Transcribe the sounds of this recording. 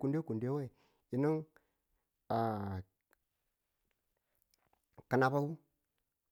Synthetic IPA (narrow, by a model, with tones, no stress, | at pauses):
ku˦nde˦ku˨nde˦we˦˨ | i˨ni˦ŋ | a˨ | ka˨na˨ba˦u˦